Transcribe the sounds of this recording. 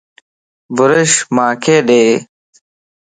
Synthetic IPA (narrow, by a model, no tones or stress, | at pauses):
bʊɾɐɕmãːkʰeːɖeː